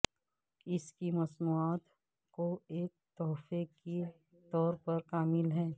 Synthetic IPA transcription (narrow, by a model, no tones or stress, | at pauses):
ɪskimɐsmuːaːt̪ | koeːk̚t̪ɔːfeki | t̪ɔːɾpɐɾkaːmɪlɦɛː